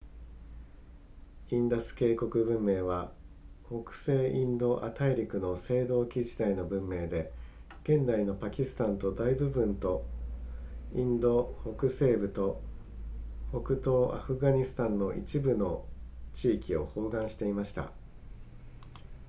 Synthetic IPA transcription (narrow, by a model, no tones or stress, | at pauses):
ĩnd̪osɨ̥ke̞ːko̞kɯ̟bɯ̟̃mːe̞ːβaho̞kɯ̟̥se̞ːʔĩnd̪o̞ʔat̪aiɾʲikɯ̟no̞se̞ːd̪o̞ːkʲiʑit̪aino̞bɯ̟̃mːe̞ːd̪e̞ | ɡ̥ẽ̞nd̪aino̞pakʲisɨ̥t̪ãnt̪o̞d̪aibɯ̟bɯ̟̃nt̪o̞ | ĩnd̪o̞hokɯ̟se̞ːbɯ̟t̪o̞ | hokɯ̟t̪o̞ːʔaɸɯ̟ɡaɲ̟isɨ̥t̪ãnːo̞ʔḭt͡ɕibɯ̟no̞t͡ɕiːkʲio̞̰ho̞ːɡãɰ̃ɕi̥t̪e̞imaɕi̥t̪a̰